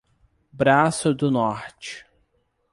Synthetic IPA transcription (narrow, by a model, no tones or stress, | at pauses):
bɾasʊd̪ʊnɔɾt͡ʃɪ̥